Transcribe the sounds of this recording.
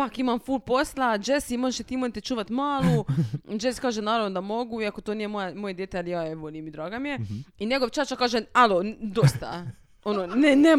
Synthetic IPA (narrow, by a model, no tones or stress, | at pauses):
pakimamfuːlpo̞slˠad͡ʒesimoʒeʃet̪iːmojet̪et͡ʃuːʋat̪maːlˠod͡ʒeskaːʒenaːɾaʋnod̪amo̞ɡuiakot̪oniːjemojamojed̪jet̪ealijaeʋolijemid̪ɾaːɡamijeiɲe̞ɡoʋt͡ʃat͡ʃakaːʒealod̪ost̪a̰ | ononene